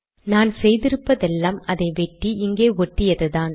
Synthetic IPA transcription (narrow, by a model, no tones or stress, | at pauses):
naːnsɛjðɪɾɯpːɐðɛlːaːmɐðɐɪʋɛʈːiɪŋɡeːɔʈːɪjɐðɯðaːn